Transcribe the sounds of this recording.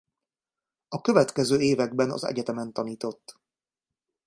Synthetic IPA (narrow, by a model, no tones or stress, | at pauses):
ɒkøvɛt̪kɛzøːeːvɛɡ̚bɛnɒ̰zɛ̰ɟɛt̪ɛmɛnt̪ɒniːt̪o̞t̪ː